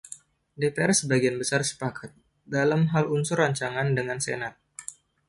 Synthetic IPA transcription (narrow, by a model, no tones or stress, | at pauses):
depeɛrsəbaɡianbəsarsə̥pakʰat̪̚ | dalamɦalunsʊrːaɲt͡ʃaŋandəŋansḛnat̪̚